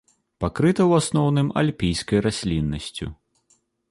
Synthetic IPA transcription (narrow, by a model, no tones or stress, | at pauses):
pakɾɨt̪ɐwasnɔwnɨma̰lʲpʲijskɐjrasʲlʲinːɐsʲt͡sʲṵ